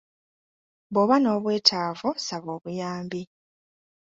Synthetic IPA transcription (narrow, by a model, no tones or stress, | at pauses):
βoβano̞ːβwe̞ːtʰaːvusaβo̞ːβujaːmbi